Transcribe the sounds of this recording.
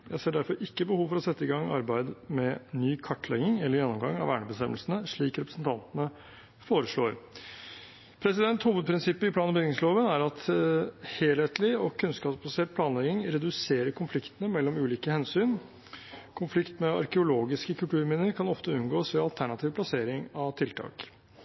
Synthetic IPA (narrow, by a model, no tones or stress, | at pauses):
jæ̰ɪseːɖæɾfɔɾɪkːəbəhuːʋfɔɾɔsɛt̪ːəɪɡɑŋːɑɾbæɪd̪mɛnyːkʰɑʈːlɛ̰ɡɪŋɛləɾjɛnːɔmɡɑŋːɑ̰ʋæ̰ːɳəbəst̪ɛmːəlsənəʂɭiːkɾɛpɾəsnt̪ʰɑnt̪nə | foːɾəʂloːɾ | pʰɾɛsɪd̪ɛnt̪huːʋəd̪̚pʰɾɪnsɪpːəɪpʰlɑːnbʏɡ̪ɪŋsloːʋənæɾɑt̪ | heːlheːt̪lɪɔkʰʉnskɑːpsbɑseːt̪̚pʰlɑːnlɛɡɪŋɾɛd̪ʉseːɾəɾkʰʊnflɪkt̪ənəmɛlːɔmʉːliːkəhɛnsyːn | kʰʊnflɪkt̪mɛɑ̰ɾkəʊloːɡɪskəkʰʉlʈ̪ʉːɾmɪnəɾkʰɑnɔft̪əʉnɡoːsʋɛɑlt̪ʰæɳɑt̪ʰiːʋplɑseːɾɪŋɑʋt̪ʰɪlt̪ʰɑ̰ːk